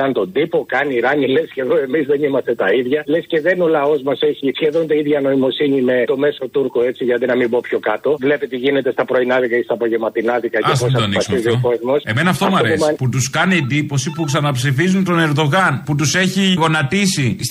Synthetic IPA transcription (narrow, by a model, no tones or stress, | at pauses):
ɐnt̪o̞d̪ipo̞kɐniɾɐɲilesceðo̞e̞mizðe̞nimɐst̪e̞t̪ɐiðʝɐlesce̞ðe̞nolɐo̞zmɐseçisçe̞ðo̞nt̪ɐiðʝɐno̞imo̞siɲime̞t̪o̞me̞so̞t̪uɾkoe̞t͡siʝɐt̪inɐmimbopço̞kɐt̪o̞vle̞pet̪iʝine̞t̪e̞st̪ɐpɾo̞inɐðikɐest̪ɐpo̞ʝemɐt̪inɐðikɐesposɐd̪onɐsmiziokozmosemenɐft̪omɐɾeosmɐput̪uskɐniend̪ipo̞sipuksɐnɐpsifizunt̪o̞ne̞ɾðo̞ɣɐnput̪use̞çiɣo̞nɐt̪isis